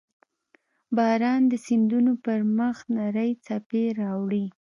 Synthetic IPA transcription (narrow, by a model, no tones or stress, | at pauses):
bɑɾɑnd̪əsind̪unopəɾməxnaɾəjt͡sapeɾɑwɽi